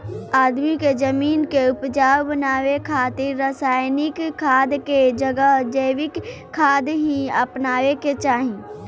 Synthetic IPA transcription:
aːd̪miked͡ʒɐmiːnkeʊpd͡ʒaːwbənaːwekʰaːt̪ɪɾːəsaːjnɪkʰːaːd̪ked͡ʒəɡəɦd͡ʒəjʋɪkʰː | aːd̪ɦĩɐpnaːʋeket͡ʃaːɦĩ

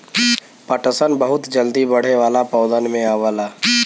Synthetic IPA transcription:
pəʈəsənbəɦʊt̪d͡ʒəld̪ibəɽ̤eʋaːlapɔːʊd̪ənmẽaːʋaːlaː

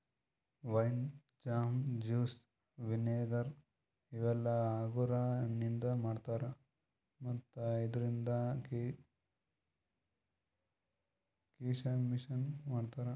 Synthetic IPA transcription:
ʋɐjn | d͡ʒaːmd͡ʒuːs | ʋineːɡ̪ɐɾ | iʋɛlːɐaːɡuɾanind̪ɐmaːɖt̪aːɾe | mɐt̪ːɐid̪ɐɾind̪ɐk | kiːʃɐmiʃɐnmaːɖt̪aːɾe

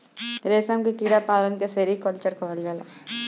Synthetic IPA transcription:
ɾeːsəmkikiɾapaːlənkeseːɾikəlt͡ʃəɾkʰɔɦld͡ʒala̰

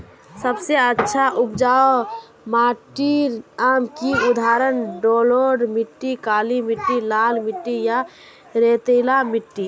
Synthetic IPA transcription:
səbseətːʃʰaʔupd͡ʒao | maʈiɾamkiud̪ʱaɾənɖoloɖmiʈːikaːlimiʈːilalmiʈːija | ɾet̪əlamiʈːi

